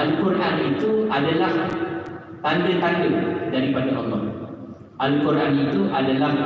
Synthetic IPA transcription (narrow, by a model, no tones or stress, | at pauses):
ʔalkuɾʔanit̪uʔadalah | t̪andət̪andədaɾipadaʔɔlːɔh | ʔalkuɾʔanit̪uʔadalah